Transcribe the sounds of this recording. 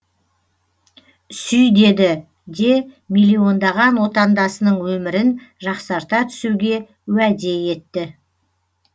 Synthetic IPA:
sʏjd̪e̞d̪ɪ | d̪e̞ | milʲːio̞nd̪ɑʁɑnwo̞t̪ɑnd̪ɑsənəɴwɵmɪɾɪnʒɑqsɑɾt̪ɑt̪ʰʏ̥suwɡʲe̞ | wæd̪e̞je̞t̪ːɪ

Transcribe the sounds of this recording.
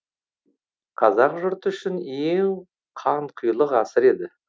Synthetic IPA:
qʰɑzɑqʒʊɾt̪ʏʃɪneŋ | qʰɑɴqʰʊjlˠəqɑsəɾe̞d̪ɪ

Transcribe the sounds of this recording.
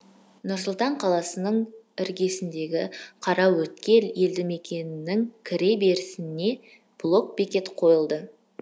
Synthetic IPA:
nʊɾsʊlˠt̪ɑɴqʰɑlˠɑsənəɴɪɾɡʲe̞sɪnd̪e̞ɡʲɪqʰɑɾɑwɵt̪kʲe̞lje̞ld̪ɪme̞kʲe̞nɪnɪŋkʲʰɪɾe̞be̞ɾɪsɪnːe̞ | b̥lˠo̞k̚be̞kʲe̞t̪qʰo̞jəlˠd̪ə

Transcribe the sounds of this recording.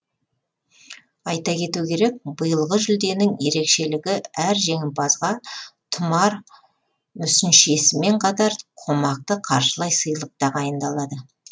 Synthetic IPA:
ɑjt̪ɑkʲʰe̞t̪ukʲʰe̞ɾe̞k̚bəjəlˠʁəʒʏld̪e̞nɪŋje̞ɾe̞kʃe̞lɪɡʲɪæɾʒe̞ŋɪmpɑzʁɑt̪ʰʊmɑɾ | mʏsɪnʃe̞sɪme̞ɴqʰɑt̪ɑɾqʰo̞mɑq̚t̪əqʰɑɾʃəlˠɑjsəjəlˠəq̚t̪ɑʁɑjənd̪ɑlˠɑd̪ə

